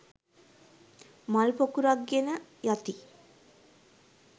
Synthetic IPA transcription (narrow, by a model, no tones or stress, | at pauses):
malpokuɾaɡːenəjat̪i